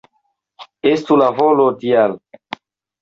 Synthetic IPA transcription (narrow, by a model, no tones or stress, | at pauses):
estulavolotial